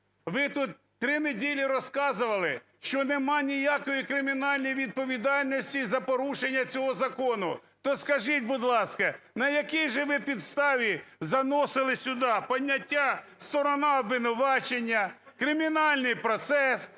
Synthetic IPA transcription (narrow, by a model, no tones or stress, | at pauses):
ʋɪt̪ut̪ːɾɪnedʲilʲiɾɔskɑzʊʋɐlˠɪ | ʃt͡ʃɔnemɑnʲijakɔjikɾɪmʲinɑlʲnɔjʋʲid̪̚pɔʋʲid̪ɑlʲnɔsʲtʲizɐpɔɾuʃenʲːɐt͡sʲɔɦɔzɐkɔnʊt̪ɔskɐʒit̚ʲbʊd̪lˠɑskɐnɐjɐkijʒɛʋɪpʲid̪st̪ɑʋʲizɐnɔsɪlˠɪsʲʊd̪ɑpɔdʲːɐtʲːast̪ɔɾɔnɑɔbʋɪnʊʋɑt͡ʃenʲːɐkɾɪmʲinɑlʲnɪjpɾɔt̪sɛs